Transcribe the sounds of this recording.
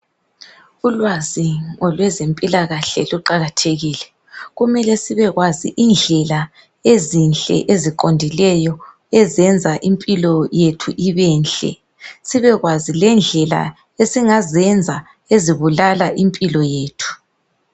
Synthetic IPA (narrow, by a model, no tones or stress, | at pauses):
ulwaziɔlwɛzempʼilaɣaɬɛluǃaɣatʰeɣiːlɛ | ɣumɛlɛsiβɛɣwazḭʔind͡ɮʱɛla | ezinɬʼɛ̰ʔeziǃondʱilɛjɔ | ɛzɛnd͡zʱaʔimpʼilɔjetʰuʔiβɛːnɬʼɛ̰ | siβɛɣwazilɛnd͡ɮʱɛla̰ | esiŋazɛnd͡zʱa | eziβulalaʔimpʼilɔjeːtʰu̥